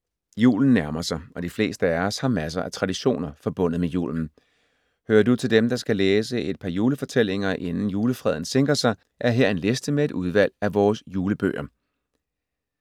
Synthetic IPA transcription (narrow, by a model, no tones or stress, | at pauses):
jṵːln̩ːæɐmɐsɑ̈ɪɒ̽d̥ifle̝̰ːsd̥əæɒshɑ̈mæs̬ɐʔæt͡sʰʁɑ̈diɕo̝̰ːnɐfɒ̽b̥ɔ̽n̰ð̩ˠmejṵːln̩ | høːɐdut͡sʰe̝ld̥emd̥ɑ̈sɡ̥æleːs̬əe̝d̥̚pʰɑ̈juːləfɒ̽t͡sʰel̰e̝ŋɐʔe̝nn̩juːləfʁɛð̞̰ˠn̩seŋɡ̥ʁɐsɑ̈ɪ | ʔæɐɦeɐ̰e̝nle̝sd̥əmee̝d̥uð̞ˠʋæl̰æʋɒːsjuːləb̥ø̰ːɐ